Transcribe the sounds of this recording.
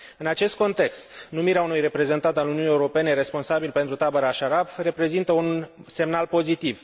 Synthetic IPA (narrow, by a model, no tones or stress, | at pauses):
ɨnat͡ʃe̞st̪̚ko̞nt̪e̞kst̪numiɾeaunujre̞pɾe̞ze̞nt̪ant̪aluniuniːeuɾo̞pe̞ne̞ɾe̞spo̞nsabilpe̞nt̪ɾut̪abeɾaʃaɾabre̞pɾe̞zint̪əunse̞mnalpo̞zit̪iv